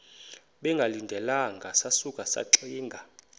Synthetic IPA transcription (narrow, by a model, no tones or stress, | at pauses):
ɓɛŋɡʱalindʱɛlaŋɡʱasasukʼasa̰ǁiːŋɡʱa